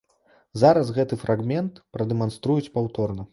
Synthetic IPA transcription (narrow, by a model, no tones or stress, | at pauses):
zaɾɐs̬ɣɛt̪ɨfɾʔaɣmʲɛnt̪pɾɐd̪ɛmanst̪ɾujut͡sʲpawt̪ɔrnɐ